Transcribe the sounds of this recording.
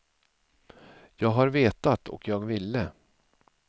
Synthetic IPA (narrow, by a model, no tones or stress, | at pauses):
jɑːɡɦaɾveːt̪at̪ʰɔ̰kʰjɑːɡvɪlːə